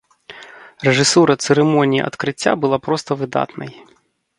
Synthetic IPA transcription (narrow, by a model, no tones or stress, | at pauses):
reʐɪsuɾɐt̪seɾɪmɔnʲijḭʔɐ̰t̪kɾɪtʲːa̰bʊlˠapɾɔst̪ɐʋɪd̪ɑ̰t̪nɐj